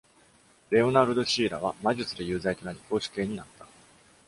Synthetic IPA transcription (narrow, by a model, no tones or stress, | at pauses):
ɾe̞o̞naɾɯ̟d̪o̞ɕiːɾa̰βamaʑɨt͡sɨd̪e̞jɯ̟ːzait̪o̞naɾʲiko̞ːɕi̥ke̞ːɲ̟inat̪ːḁ